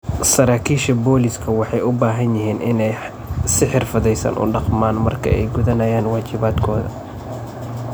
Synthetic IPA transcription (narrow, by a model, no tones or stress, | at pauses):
sɐɾaːkʰiːʃɐbɔːlɪskʰɐwɑħɑjʊbaːɦɐnjɪɦiːnʔɪnɛj | sɪħɪrfɐðɛjsɐ̰nʔʊ̰ɖɑqmaːnmɐrkʰɐ̰ʔɛ̰jɡʊðɐnɐjaːnwaːt͡ʃɪβaːd̪kʰɔːðɐ̰